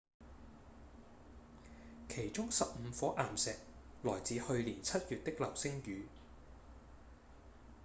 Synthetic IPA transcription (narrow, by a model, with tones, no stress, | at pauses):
kʰe˨˩jt͡sʊ˥ŋsɐ˨p̚m̩˨˧fɔː˨˥ʔaː˨˩msɛː˨k̚ | lɔː˨˩jt͡siː˨˥hɵ˧ɥliː˨˩nt͡sʰɐ˥t̚jyː˨t̚t̪ɪ˥k̚lɐ˨˩wsɪ˥ŋjyː˨˥